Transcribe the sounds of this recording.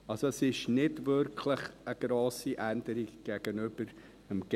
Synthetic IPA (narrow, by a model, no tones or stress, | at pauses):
ɑlsoɛsɪʃnɪdvʏɾkʰləχəɡ̥ɾoːsiʔændəɾiɡɡ̥ɛɡ̥ənʏb̥əɾ | əmɡ̥